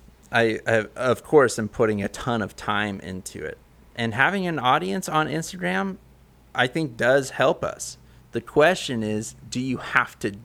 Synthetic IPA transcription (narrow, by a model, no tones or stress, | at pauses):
ʔaɪaʌv̥kʰɔɹsãɪ̃mpʰʊɾɪ̃ŋɨtʰʌ̃nʌv̥tʰãɪ̃mʔɪ̰̃ntʰʉ̰ɪ̰t̚ | ʔɨ̃nɦævɪ̃ŋɨ̃nɔɾiɨ̃nsn̩ɪ̃nstɨɡɹæ̃m | ʔaɪθɪ̃ŋk̚d̥ʌz̥hɛlˠpʌ̰s | ðɨkʰw̥ɛst͡ʃɨ̃nɪzdɨjɨhæftʰɨ